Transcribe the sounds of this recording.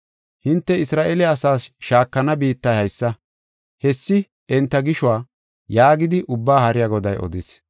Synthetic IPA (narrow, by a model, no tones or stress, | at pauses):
hɪnt̪ːɛɪsɾaːʔelɛɐsaːsʃaːkːɐnɐbiːt̪ːɐjhɐjsːɐ | hɛsːɪ | ɛnt̪ːɐɡɪʃwaː | jaːɡɪd̪ɪʔʊbːaːhɐɾɪjaɡɔd̪ɐjʔɔ̰d̪ɪs